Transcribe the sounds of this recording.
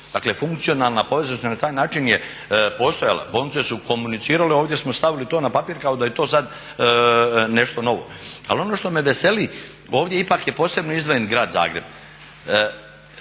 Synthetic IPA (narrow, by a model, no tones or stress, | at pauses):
d̪aklefuŋkt̪sio̞nalˠnapo̞ʋe̞znost̪anat̪aːjnaːt͡ʃinje | po̞st̪o̞ja̰lˠa̰boːlnit̪sesuko̞munit̪siːɾaleoːʋd̪je̞smo̞st̪aʋilit̪o̞ːnapapiːɾkao̞d̪ajet̪o̞ːsad̪ | ne̞ʃt̪o̞no̞ʋo̞̰a̰lo̞no̞ːʃt̪o̞meʋe̞se̞li | o̞ːʋd̪ʲje̞ipakje̞po̞ːsɾe̞bnoizd̪ʋojenɡɾaːd̪za̰ːɡɾeb̚